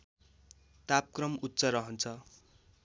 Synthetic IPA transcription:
t̪ap̚krʌmut̪ːt͡sʌɾʌɦʌnt͡sʰʌ

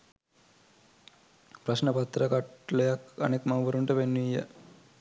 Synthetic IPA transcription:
pɾɐʃnɐpɐt̪ːɾɐkɐʈlejɐkɐnekmɐʋɐɾuɳʈepenːuijɐ̰

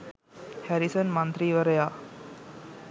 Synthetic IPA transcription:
hæɾisənmɐnt̪ɾiːʋəɾəjaː

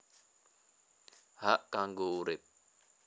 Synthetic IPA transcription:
haʔkaŋɡouɾep̚

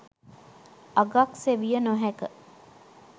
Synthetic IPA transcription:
aɡakseʋijənoɦɛkə

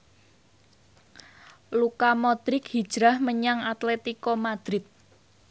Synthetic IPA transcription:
lukamɔd̪̥ɾɪkhid̥ʒ̥ɾahməɲaŋat̪lɛt̪ikɔmad̪̥ɾɪt̪̚

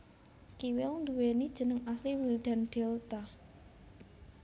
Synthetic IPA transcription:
kiwɪlnd̪uwenid̥ʒ̥ə̤nəŋasliwild̪̥a̤nɖ̪̥ɛlt̪a

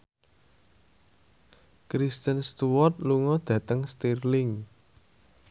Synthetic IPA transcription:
kɾist̪ənst̪uwɔrt̪̚luŋɔd̪̥ä̤t̪əŋst̪irlɪŋ

